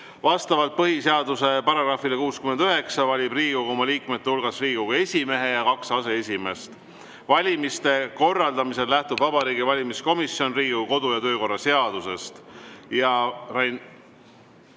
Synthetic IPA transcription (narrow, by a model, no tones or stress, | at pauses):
vɑst̪ɑvɑlt̪̚pɤɦiseɑd̪use̞pɑɾɑɡ̥ɾɑːfilekuːskymend̪yɦe̞ksɑvɑlʲibriːɡuɡomɑliːkmet̪ːeulɡ̥ɑsriːɡ̥uɡ̥ɑe̞sʲime̞ɦe̞jɑkɑksɑse̞e̞sʲime̞st̪ | vɑlʲimist̪e̞ko̞rːɑld̪ɑmise̞lːæht̪ubvɑbɑɾiːɡ̥ivɑlʲimisko̞misjo̞nriːɡuko̞d̪ujɑt̪ø̞ːko̞rːɑse̞ɑd̪̥use̞st̪jɑrɑn